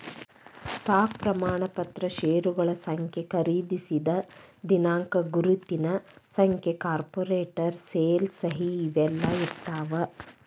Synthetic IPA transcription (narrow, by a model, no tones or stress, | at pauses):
sʈaːk̚pɾɐmaːɳɐpɐt̪ɾɐʃeːɾuɡɐɭɐsɐŋkʰjekɐɾiːd̪isid̪ɐd̪inaːŋkɐɡuɾut̪ːinɐsɐŋkʰjekaːɾpoɾeːʈɐɾseːlsɐɦiːʋɛlːɐiɾt̪ːaːʋɐ